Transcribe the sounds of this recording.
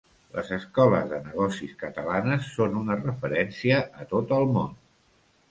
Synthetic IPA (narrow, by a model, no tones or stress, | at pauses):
lə̰zəskɔləzðənəɣ̞ɔsiskət̪əlanəsːonunərəfəɾɛnsiəʔət̪ot̪əlˠmon